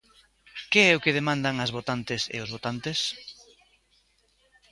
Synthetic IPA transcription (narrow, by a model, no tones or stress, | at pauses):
keɛʊkeðemãnd̪aŋazβot̪ant̪ɪsḛʊzβot̪ant̪ɪs